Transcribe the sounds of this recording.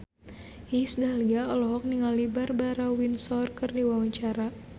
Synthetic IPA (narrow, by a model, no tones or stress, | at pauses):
isdaliaɔlɔɦɔk̚niŋalibarbaɾawinsɔrkɨrdiwawaɲt͡ʃaɾa